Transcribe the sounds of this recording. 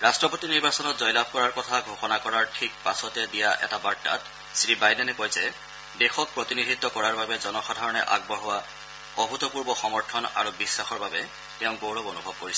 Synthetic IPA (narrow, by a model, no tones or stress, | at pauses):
ɹastɹɔpotiniɹbasɔnɔtzɔjlab̚ʱkɔɹaɹkɔtʰaɡʱoxɔnakɔɹaɹtʰik̚pasɔtɛdijaʔɛ̰tabata̰t | sɹibajdɛnɛkojzɛ | dexɔk̚pɹɔtinidʱit̪ːɔkɔɹaɹbabɛzɔnɔxɔdʱaɹɔnɛʔa̰ɡ̚bɔɦɔwa | ɔɦutɔpuɹbɔxɔmɔɹtʰɔna̰ɹubisːaxɔɹbabɛ | tɛʊ̃ɡowɹɔbonubʱɔb̚koɹisɔ